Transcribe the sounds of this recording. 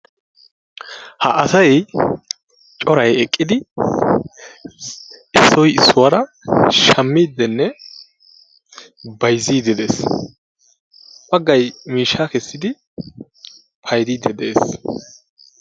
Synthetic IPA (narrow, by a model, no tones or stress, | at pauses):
hɐʔɐsɐj | t͡ʃʼɔɾɐjɛkʼːɪd̪ɪ | ɪsːɔjɪsːʊwɐɾɐʃɐmːiːd̪ːɛnːɛ | bɐjziːd̪ɛd̪ḛːs | bɐɡːɐjmiːʃːakɛsːɪd̪ɪ | pʰɐjd̪iːd̪ːɛd̪ḛːs